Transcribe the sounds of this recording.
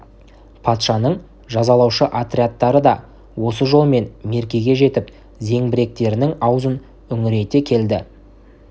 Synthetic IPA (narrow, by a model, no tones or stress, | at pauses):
pʰɑt̪ʃɑnəɴ | ʒɑzɑlˠɑwʃəʔat̪ɾʲiat̪ːɑɾəd̪ɑ | wo̞səʒo̞lˠme̞nme̞ɾkʲe̞ɡʲe̞ʒe̞t̪ɪp | ze̞ŋbɪɾe̞k̚t̪e̞ɾɪnɪŋɑwzən | ʏŋɪɾe̞jt̪e̞kʲʰe̞ld̪ɪ